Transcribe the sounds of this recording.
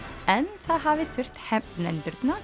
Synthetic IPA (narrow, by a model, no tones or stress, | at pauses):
ɛnsɑːhɑːʋɪːfʏɾt̪hɛmt̪n̩ɛnd̪ʏɾd̪nɑ